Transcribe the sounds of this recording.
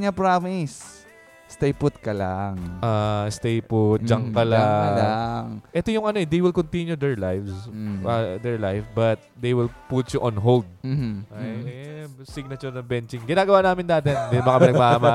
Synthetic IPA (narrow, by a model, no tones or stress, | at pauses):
ɲɐpɹamis | st̪ejpʊt̪kɐlaŋʔast̪ejpʊt̪̚d͡ʒɐŋkɐlalaŋʔɛt̪ojʊŋɐno̞ʔɛd̪ejwɪlkont̪injud̪ɛɹlajfsɐd̪ɛɹlajfbɐt̪̚d̪ejwɪlput̪t͡ʃʊʔonɦold̪̚ | siɡ̚nɐt͡ʃonɐŋbɛnt͡ʃɪŋɡɪnaːɡɐwanaːmɪnd̪aːt̪ɛnd̪ɪnmɐkɐpɪnɐɡɡ̚maʔmɐ